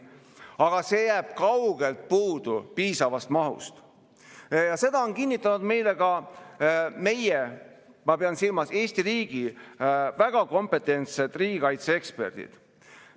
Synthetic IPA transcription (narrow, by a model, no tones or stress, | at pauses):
ɑɡ̥ɑse̞jæːb̥kɑwɡ̥e̞lt̪̚puːd̪̥upiːsɑvɑst̪mɑɦṵst̪ | jɑse̞d̪̥ɑo̞nkinʲːit̪ˑːɑnud̪me̞jle̞ɡɑ | me̞je | mɑbeɑnsilmɑse̞ːsʲt̪iriːɡ̥i | væɡ̥ɑko̞mpe̞t̪ːˑe̞nt̪set̪ːˑriːɡ̥ikɑjt̪seekspe̞̰rd̪̥ḭd̪̥